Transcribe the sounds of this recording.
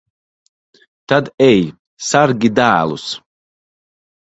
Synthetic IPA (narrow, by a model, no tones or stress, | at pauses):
t̪ad̪ɛj | saɾɡʲid̪æːlˠus